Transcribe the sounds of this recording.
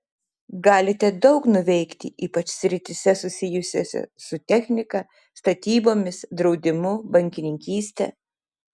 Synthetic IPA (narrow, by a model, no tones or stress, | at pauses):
ɡɑːlʲɪt̪ʲɛd̪ɒʊknʊʋʲɛɪkt̪ʲɪ̰ʔiːpɐt͡ʃsʲɾʲɪt̪ʲɪsʲɛsʊsʲɪjʊsʲo̰ːsʲɛ̰sʊt̪ʲɛxʲnʲɪkɐ | st̪ɐt̪ʲiːboːmʲɪsd̪ɾɒʊd̪ʲɪmʊbɐŋʲkʲɪnʲɪŋʲkʲiːsʲt̪ʲɛ̰